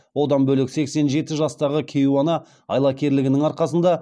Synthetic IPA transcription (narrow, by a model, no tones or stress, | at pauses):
wo̞d̪ɑnbɵlɪkse̞kse̞nʒe̞t̪ɪʒɑst̪ɑʁəkʲʰejuwɑnɑ | ɑjlˠɑkʲʰe̞ɾlɪɡʲɪnɪŋɑɾqɑsənd̪ɑ